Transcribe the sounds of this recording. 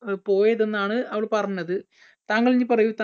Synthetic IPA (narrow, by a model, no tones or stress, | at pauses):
po̞ːjɐðe̞nːaːɳɨɐʋɐɭpɐrɐɲuːɐðɨ | t̪aːŋːɐɭiɲːɨpɐrɐjut̪a